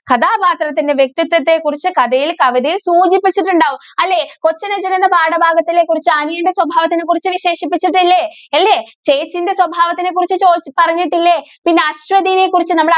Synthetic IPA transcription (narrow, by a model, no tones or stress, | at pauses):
kɐd̪aːbaːt̪rɐt̪ːinde̞ʋjek̚t̪it̪ːɐt̪ːe̞kːurit͡ɕːɨkɐd̪ɐjilkɐʋid̪ijilsuːd͡ʑipːit͡ɕːiʈːuɳɖaːʋumɐlːe̞ko̞t͡ɕːɐnɐd͡ʑɐnenːɐpaːɽɐbʱaːɡɐt̪ːile̞kːurit͡ɕːɨɐnujɐinde̞swɐbʱaːʋɐt̪ːine̞k̬ːurit͡ɕːɨʋiɕe̞ːʂipːit͡ɕːiʈːilːeɐlːe̞t͡ɕe̞ːt͡ɕːinde̞swɐbʱaːʋɐt̪ːine̞kːurit͡ɕːɨt͡ɕo̞ːt͡ɕːpɐrɐɲːiʈːilːepinːeɐɕʋɐd̪inekːurit͡ɕːɨnɐmːɐɽ